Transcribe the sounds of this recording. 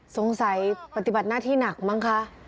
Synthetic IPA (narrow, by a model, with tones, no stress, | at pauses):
so˨˦ŋsa˨˩˦jpa˧t̪i˨˧˩ba˨˩t̪̚naː˥˩t̪ʰiː˥˩˨na˨˩k̚ma˧˥˨ŋkʰa˧˥